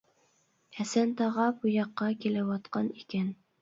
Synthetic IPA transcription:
æsænt̪ɑʁɑbʊjɑqːɑkʲelæwɒt̪qɑnikʲæn

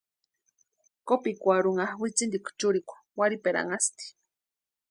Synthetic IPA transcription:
kopikʷaɾuŋahwit͡sind̪ikʷt͡ʃuɾikʷ | waɾipeɾa̰ŋast̪i̥

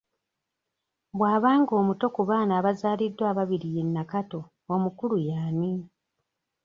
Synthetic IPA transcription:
βwaːβaːŋɡo̞ːmuto̞kuβaːnaːβazaːlidːwaːβaβiɾijenːakato̞ | omukulujaːni

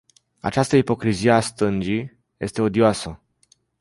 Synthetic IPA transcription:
a̰t͡ʃast̪əipo̞kɾizijeast̪ɨnd͡ʒi | je̞st̪e̞o̞d̪ioasə

